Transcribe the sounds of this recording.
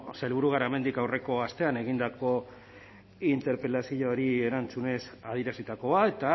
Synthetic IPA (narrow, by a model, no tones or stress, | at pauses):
selβuɾuɣ̞aɾaeme̞nd̪ikawre̞ko̞ast̪e̞ane̞ɣind̪ako̞ | int̪e̞ɾpe̞lasioɾie̞ɾant͡sune̞saðiɾasit̪ako̞ae̞t̪a